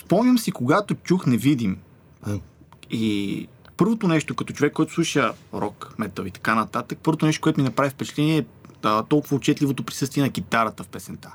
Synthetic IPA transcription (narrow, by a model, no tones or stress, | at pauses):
spɔmnʲəmsikoɡat̪ot͡ʃuxnɛvid̪im | ipɤɾvot̪onɛʃt̪okɐt̪ɔt͡ʃovɛkːɔɛt̪o̥sˠuʃəɾɔkmɛt̪əlit̪ɐ̥kanɐt̪at̪ək̚pɤɾvot̪onɛʃt̪okoɛt̪minɐpɾavifpɛt͡ʃɛ̥t̪ɛniɛːət̪ɔlˠkʊvəːt͡ʃɛt̪lʲivot̪opɾi̥sɤst̪viɛnɐɡ̟it̪aɾət̪əfpɛsɛnt̪a